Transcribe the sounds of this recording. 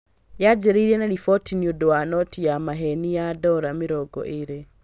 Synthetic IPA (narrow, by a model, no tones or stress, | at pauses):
jad͡ʒeɾiɾienaɾifɔtiniodowanɔtijamaɦenijadɔɾamiɾɔɡɔ̰ʔeɾe